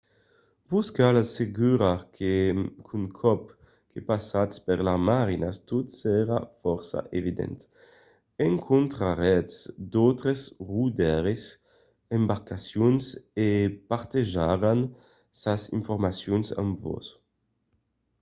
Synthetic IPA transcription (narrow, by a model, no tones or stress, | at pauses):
buskalaseɡyɾakʰekʰuŋkʰɔp | kʰepasat̪speɾlamaɾinast̪ut̪sɛɾafɔɾsa̰ʔevid̪ɛ̰nt̪ | eŋkʰont̪ɾaɾɛtsd̪owt̪ɾezrud̪ɛɾes | embaɾkasjunsepaɾt̪eʒaɾan | sasḭɱfoɾmasjunsa̰mvo̰s